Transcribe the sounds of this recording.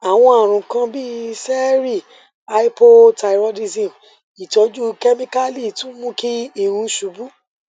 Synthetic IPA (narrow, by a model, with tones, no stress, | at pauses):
a˨w̃ɔ̃˧a˨ɾ̃ũ˨kã˧bi˦sɛ˦ɾi˦˨ | a˧i˦po˦ta˧i˨ɾɔ˧di˧zĩ˨ | i˨tɔ˨˦d͡ʒu˦kɛ˦mĩ˦ka˦li˦˨tũ˦mũ˦ki˦i˦˨ɾũ˧˦ʃu˨bu˦